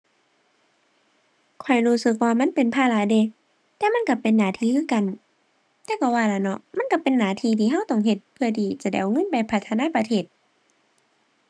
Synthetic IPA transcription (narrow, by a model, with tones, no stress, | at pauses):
kʰɔ˨˩jɾuː˧˩sɯ˧˦k̬̚waː˧ma˧˥˨npe˨npʰaː˧˨la˧˦de˧˨ | t̪ɛː˧ma˧˥˨nka˧˩pe˨nːaː˨˩˦t̪ʰiː˧kʰɯː˧˥˨ka˨n | t̪ɛː˧˨ka˧˩waː˧la˧˩nɔ˧˨ʔma˧˥˨nka˧˩pe˨nːaː˨˩t̪ʰiː˧t̪ʰiː˧ɦa˧˥˨wt̪ɔ˧˨ŋɦe˧˦t̪̚pʰɯ˧ɐdiː˨˦t͡ɕa˧˩da˧˨ʔo˨ŋɤ˧˥˨npa˨˩jpʰa˧t̪ʰːa˧naː˧˥˨pa˧t̪ʰeː˧˩t̪̚